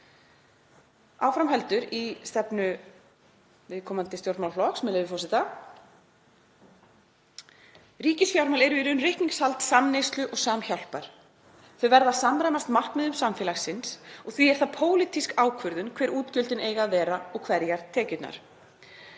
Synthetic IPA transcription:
a̰ːwfɾamɦɛlt̪ʏɾist̪ɛpnʏ | vɪðkʰɔmant̪ɪst̪jowɾt̪mawllɔksmɛlɛðɪfɔsɪt̪a | riːcɪsfjawɾmalɛɾʏiɾʏnrɪhkniŋshalt̪samnejst̪lʏʔɔɣsaːmçawl̥paɾ̥ | θœɥvɛɾðasamɾajmast̪mar̥kmɛðʏmsamfɪːlaxsɪnsɔɣθviɛɾ̥θapʰoːwlit̪iskaːwkʰvʏɾðʏnkʰvɛːɾuːt̪cʏlt̪ɪneːjɣaðvɛːɾaɔɣkʰvɛɾjaɾt̪ʰːɛːcɪt̪na̰ɾ̥

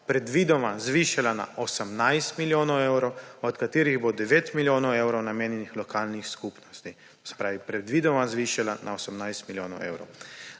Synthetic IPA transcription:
pɾɛd̪ʋiːd̪ɔmazʋiʃalana̰ʔɔsəmnajst̪miljoːnɔwɛwɾɔwɔt̪kat̪iːɾiɣbod̪ɛʋeːt̪miljoːnɔwewɾɔwnameːnjɛnixlɔkaːlnixskupnɔst̪i | sɛ̥pɾaːʋipɾɛd̪ʋiːd̪ɔmazʋiʃalanʔa̰osəmnajst̪miljoːnɔ̰wɛ̰wɾɔ̰w

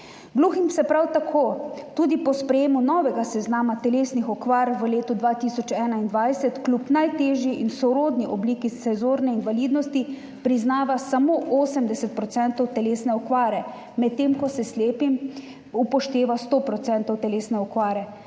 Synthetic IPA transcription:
ɡluːximsɛpɾawt̪akʰoːt̪uːd̪ipɔspɾɛjeːmunɔːʋɛɡasɛznaːmat̪ɛleːsnixɔkʋaːɾʋəleːt̪ud̪ʋaːt̪isɔt͡ʃɛːnaind̪ʋajsɛt̪klʲupnajt̪eːʒjiʔinsɔɾoːd̪niʔɔbliːkisɛzoːɾnɛinʋaliːd̪nɔst̪i | pɾiznaːʋasamoʔoːsəmd̪ɛsɛt̪̚pɾɔt̪sɛnt̪ɔwt̪ɛleːsnɛɔkʋaːɾɛ | mɛt̪ːemkɔsɛsleːpim | upɔʃt̪eːʋast̪oːpɾɔt̪sɛnt̪ɔwt̪ɛleːsnɛɔkʋaːɾɛ

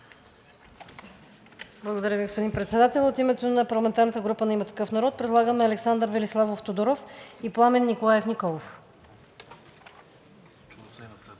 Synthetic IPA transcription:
blˠəɡod̪ɐɾʲjəviɡospod̪inpɾɛt̪sɛd̪at̪ɛlˠot̪imɛt̪onɐpɐɾlˠɐmɛnt̪aɾnət̪əɡɾupənɐimət̪ɐ̥kɤfnɐɾɔt̪̚pɾɛd̪lˠaɡəmɛɐlɛksand̪əɾvɛlislˠavoft̪od̪oɾɔfiplˠamɛnːikolˠajɛfnikɔlˠof

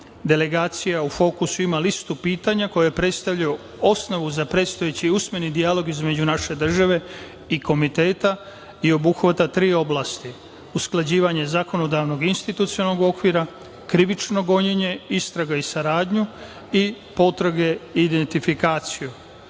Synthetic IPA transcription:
d̪e̞le̞ɡaːt̪sijaufo̞ːkusuimalist̪upiːt̪aɲako̞jojepɾe̞t̪st̪aʋʎaju | o̞sno̞ʋuzapɾe̞t̪st̪ojet͡ɕiusme̞nid̪ijalo̞ɡizme̞d͡ʑunaʃe̞d̪r̩ʒaʋe̞ | iko̞mit̪e̞ːt̪a | io̞buxʋat̪at̪ɾiːo̞blast̪i | usklˠad͡ʑiːʋaɲe̞zako̞no̞d̪aʋno̞ɡinst̪it̪ut̪siolnoɡo̞kʋiɾa | kɾiʋit͡ʃno̞ɡo̞ɲeɲe̞ist̪ɾaɡaisaɾaːd̪ɲu | i | po̞t̪ɾaɡe̞iːd̪ent̪ifikaːt̪siju

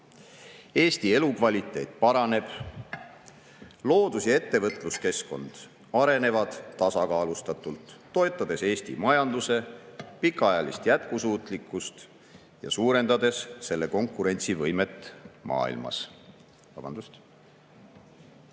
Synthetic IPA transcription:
e̞ːst̪ie̞lukvɑlʲit̪ːˑe̞jt̪̚ˑpɑɾɑne̞b̥ | lo̞ːd̪̥usjɑe̞t̪ːe̞vɤt̪ˑluske̞sko̞̰nd̪̥ | ɑɾe̞ne̞vɑd̪̥t̪ɑsɑkɑːlust̪ɑt̪ːˑult̪ːo̞e̞t̪ːˑɑd̪̥e̞se̞ːst̪ḭmɑjɑnd̪̥use̞pikːˑɑɑjɑlist̪jæt̪kusuːt̪ˑlikːˑust̪ | jɑ̰suːɾe̞nd̪ɑd̪e̞sːe̞lːe̞ko̞ŋkːuɾe̞nʲt̪sivɤjme̞t̪ːˑmʔɑ̰ːḭlmɑ̰s | vɑb̥ɑnd̪ust̪

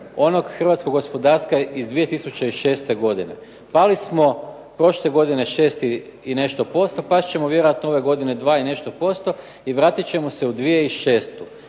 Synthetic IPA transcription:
o̞noɡxr̩ʋaːt̪sko̞ɡospo̞d̪aɾskaizd̪ʋije̞t̪isut͡ɕeiʃe̞ːst̪e̞ɡo̞d̪ine̞̰ | palismo̞ | pɾo̞ʃlˠeɡo̞d̪ine̞ʃe̞ːst̪iine̞ʃt̪o̞po̞st̪o̞paʃt͡ɕe̞moʋje̞ɾoat̪nooʋe̞ɡo̞d̪ine̞d̪ʋaːine̞ʃt̪o̞po̞st̪o̞ | iʋɾaːt̪it͡ɕe̞mose̞ud̪ʋije̞iʃe̞ːst̪u

